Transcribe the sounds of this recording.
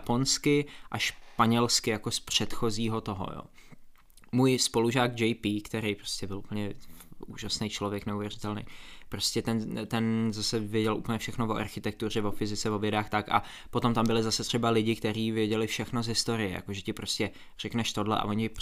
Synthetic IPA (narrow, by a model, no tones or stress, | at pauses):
po̞nskɪʔaʃpaɲɛlskɪjako̞spr̝̥ɛt̪xo̞ziːɦo̞t̪o̞ɦo̰jo̰ː | muːjspo̞luʒaːɡd͡ʒɛjpikt̪ɛɾejpɾoscɛbɪlup̩ɲɛṵːʒasnejt͡ʃlo̞vjɛknɛuvjɛrɪt̪ɛlnḛjpɾo̞scɛt̪ɛnt̪ɛnzasɛvjɛɟɛlʔṵpəɲɛfʃɛxno̞voʔa̰ɾxɪt̪ɛk̚t̪ur̝ɛvo̞fɪzɪt͡sɛvo̞vjɛdaːxt̪akʔa̰ | po̞t̪o̞mt̪ambɪlɪzasɛt̪r̝̥ɛbalɪɟɪkt̪ɛɾiːvjɛɟɛlɪfʃɛxno̞zɦɪst̪o̞ɾɪjɛ̰ja̰koʒɛcɪpɾoscʲɛ | r̥ɛknɛʃt̪o̞dlɛ̰ʔa̰vo̞ɲɛ